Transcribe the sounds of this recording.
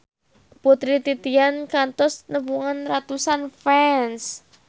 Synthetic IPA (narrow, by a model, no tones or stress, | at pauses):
put̪ɾit̪it̪iankant̪ɔsnəbuŋanrat̪usanfɛns